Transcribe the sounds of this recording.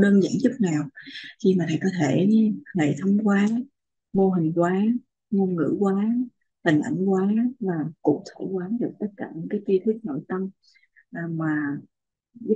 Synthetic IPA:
ɗəː˧nzə̰ː˧˩nt͡ɕʊ˦˥k͡p̚naː˨˩wxi˧maː˨˩t̪ʰa̰ː˨˩jkɔ˨˦t̪ʰe˧˩˧ŋa̰˨˩jt̪ʰə˨˦wŋ͡mkwaː˨˦ | mo˧ɦï˨˩ŋ̟kwaː˨˦ | mo˧nŋɨ̰˧˥kwaː˨˦ | hï˨˩ŋ̟ʔa̰˧˩jŋ̟kwaː˨˦vaː˨˩kṵ˧˩t̪ʰo˧˩kwaː˨˦ɗɨ˨˩ək̚t̪ə˦˥t̚kaː˧˩ɲɨ˨˥nkaː˨˦jt̪i˧t̪ʰwi˦˥k̚no̰˧˨jt̪ə˧m | ʔːmaː˨˩ | z

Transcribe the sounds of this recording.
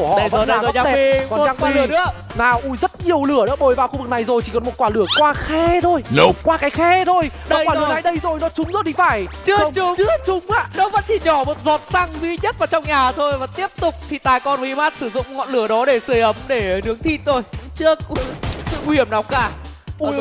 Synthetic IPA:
u˧˩əhɔ̰˧˨əː˧˨˩aː˨˧ɛ˧˨i˧kɔ˨˩t͡ɕaː˧ŋkwaː˧lɨ˧˩ənɨ̰˧˦˥ə | naː˨˩wʔu˧˩jzə˦˥t̚ɲi˨˩əwlɨ˧˩ənɨ̰˧˥əɓo˨˩jvaː˨wxu˧vɨ˨˩k̚na˨˩jzo˨˩jt͡ɕʰi˧˩kɔ˨˩nmo˨˩t̚kwaː˧˩lɨ˧˩əkwaː˧xɛ˧t̪ʰo˧jlə˨˩kwaː˧kaː˨˦jxɛ˧˥t̪ʰo˧jɗɔ˨˧˦waː˧˨˧na˨˩jɗə˧jzo˨˩jnɔ˨˦t͡ɕʊ˨˦ŋ͡mzo˨˩t̪ʰi˨˩faː˧˩jt͡ɕɨ˦˥ə˧ŋ͡mʊ˨˦ŋ͡mt͡ɕɨ˦˥ət͡ɕʊ˨˦ŋ͡mʔa̰ː˧˥nɔ˨˦və̰˧˥nt͡ɕi˧˩ɲɔ˧˩mo˨˩t̚zɔ˨˩t̚sa˧ŋzwi˧˦ɲə˦˥t̚vaː˨˩t͡ɕɔ˧wŋ͡mɲaː˨˩t̪ʰo˧jvaː˨˩t̪i˦˥əp̚t̪ʊ˨˩k͡p̚t̪ʰi˨˩t̪aː˨˩jkɔ˧nvə˨˦ʔi˧ma˦˥t̚sɨ˧˩zʊ̰˧˨ŋ͡mŋɔ̰˧˨nlɨ˧˩əɗɔ˨˦ɗe˧˩sɨ˧˩əjʔə˨˦mɗe˧˩nɨ˨˦əŋt̪ʰi˧˥t̚t̪ʰo˧jt͡ɕɨ˦˥ək̚sɨ̰˧˨ŋu˧˩hi˧˩əmna˨˩k͡p̚kaː˧˩˧

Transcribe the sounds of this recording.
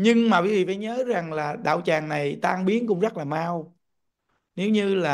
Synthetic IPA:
ɲɨ˧ŋmaː˨˩ɓi˨˦vḭ˧˨˩faː˨˦jɲəː˨˦za˨˩ŋlaː˨˩ɗa̰ː˧˨wt͡ɕaː˨˩ŋna˨˩jt̪aː˧ŋɓi˨˦ənkʊ̰˧˥ŋ͡mzə˦˥t̚laː˨˩maː˧w | ne˨˦wɲɨ˧laː˨˩

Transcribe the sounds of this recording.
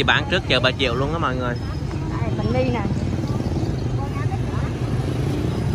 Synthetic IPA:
i˨˩ɓa̰ː˧˥nt͡ɕɨ˦˥ək̚t͡ɕəː˧˩ɓaː˨˩t͡ɕḭ˧˨əwlu˧ənəː˧˦mɔ̰˧˨jŋɨ˨˩əj | aː˨˩jmə˨˧˨ŋɗi˧naː˨˩˧

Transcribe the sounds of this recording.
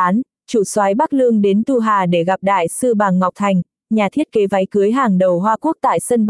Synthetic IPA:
aː˨˦n | t͡ɕu˧˩swaː˨˦jɓa˦˥k̚lɨ˧əŋɗe˨˦nt̪u˧ɦaː˨˩ɗe˧˩ɣa˨˩p̚ɗa̰ː˧˨jsɨ˧ɓaː˨˩ŋːa˨˩wk͡p̚t̪ʰa˨˩jŋ̟ | ɲaː˨˩t̪ʰi˦˥ət̚ke˨˦va˨˦jkɨ˨˦əjɦaː˨˩ŋɗə˨˩wɦwaː˧ku˦˥k̚t̪a̰ː˧˨jsə˧n

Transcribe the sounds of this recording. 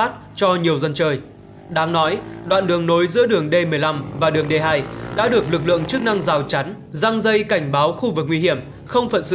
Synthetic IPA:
aː˦˥t̚t͡ɕɔ˧ɲi˨˩əwzə˧nt͡ɕəː˧˩j | ɗaː˨˦ŋnɔ˨˦jɗwa̰ː˧˨nɗɨ˨˩əŋno˨˦jzɨ̰˧˥əɗɨ˨˩əŋɗe˧mɨ˨˩əjla˧mvaː˨˩ɗɨ˨˩əŋɗe˧ɦaː˧jɗa̰ː˧˥ɗɨ˨˩ək̚lɨ˨˩k̚lɨ̰˧˨əŋt͡ɕɨ˦˥k̚na˧ŋzaː˨˩wt͡ɕa˨˦n | za˧ŋzə˧jka˧˩jŋ̟ɓaː˨˦wxu˧vɨ˨˩k̚ŋwi˧hi˧˩əm | xə˧wŋ͡mfə̰˧˨nsɨ̰˧

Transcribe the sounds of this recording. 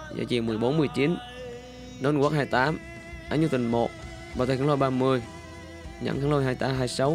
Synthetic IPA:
za̰ː˧˩t͡ɕi˨˩əmɨ˨˩əjɓo˨˦nmɨ˧əjt͡ɕi˨˦n | no˧˦n˧kwaː˦˥haː˧jt̪aː˨˦m | ʔaː˧˥ɲu˧˩t̪ï˨˩ŋmo˨˩t̚ | ɓaː˨˩˨kːŋlo˧jɓaː˧mɨ˧əj | ɲa̰˧˥ŋka˨˧˦ŋlo˧jɦaː˧jt̪aː˨˧˦ɦaː˧jsa˨˦w

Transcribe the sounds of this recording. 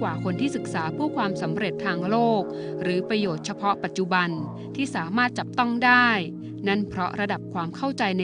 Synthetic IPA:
waː˨˩kʰo˧nt̪ʰiː˥˩sɯ˨˩k̚saː˩˦pʰuː˥˩kʰwaː˧msa˩˦mɾe˨˩t̪ʰːaː˧ŋloː˥˩k̚ | ɾɯː˩˦pɾa˧joː˨˩t̪̚t͡ɕʰa˧pʰɔ˦˥pa˨˩t̪̚t͡ɕu˨˩ba˧n | t̪ʰiː˥˩saː˩˦maː˥˩t̪̚t͡ɕa˨˩p̚t̪ɔ˥˩ŋdaː˥˩j | na˥˩npʰɾɔ˦˥ɾa˧da˨˩p̚kʰwaː˧mkʰa˥˩wt͡ɕa˧jna˧

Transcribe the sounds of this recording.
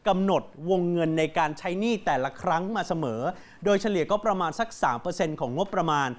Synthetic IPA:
ka˧mno˨˩t̪̚wo˧ŋːɤ˧nːa˧jkaː˧nt͡ɕʰa˦˥jniː˥˩t̪ɛː˨˩la˧˦kʰɾa˦˥ŋmaː˧sa˧mɤː˩˦ | doː˧jt͡ɕʰa˧li˨˩əkɔː˥˩pɾa˧maː˧nsa˨˦˩k̚saː˩˦mpɤː˧se˧nkʰɔː˩˦ŋo˦˥p̪̚pɾa˧maː˧n

